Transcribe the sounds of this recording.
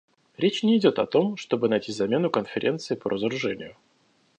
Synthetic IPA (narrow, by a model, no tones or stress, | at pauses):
ɾʲet͡ɕnʲɪɪdʲo̞t̪ɐt̪o̞mʂt̪o̞bɨnɐjtʲizɐmʲe̞nʊkənfʲɪɾʲe̞nt̪sɨɪpə̰ɾʔəzəɾʊʐɛnʲɪ̰jʊ